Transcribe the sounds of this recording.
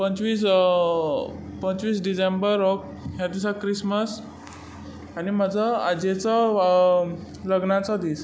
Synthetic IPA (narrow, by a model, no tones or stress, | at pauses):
pənt͡sʋiːs | pənt͡sʋiːs̬ɖisembəɾɔk | ɦjad̪isakɾisməs | anim̤əd͡zʱɔa̰d͡ʑet͡sɔ | ləɡnat͡sɔd̪iːs